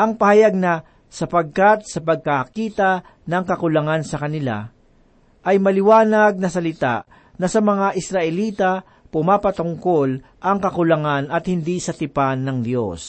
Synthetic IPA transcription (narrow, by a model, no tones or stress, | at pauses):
ʔɐŋpɐhɐjaɡ̚na | sɐpɐɡ̚kat̪̚sɐpɐɡ̚kakiːt̪a | nɐŋkɐkʊlɐŋansɐkɐnɪla̰ | ʔɐjmɐlɪwaːnɐɡ̚nɐsɐlɪt̪a̰ʔ | nɐsɐmɐŋaʔɪsɾɐʔɛliːt̪a | pʊmaːpɐt̪ʊŋko̞l | ʔɐŋkɐkʊlɐŋanɐt̪hɪnd̪isɐt̪ɪpanːɐŋd̪jo̰s